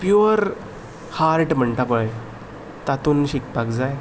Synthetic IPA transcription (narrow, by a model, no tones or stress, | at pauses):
pjuɾ | haɾʈm̤əɳʈapəj | t̪at̪uːnɕik̚pakd͡zaj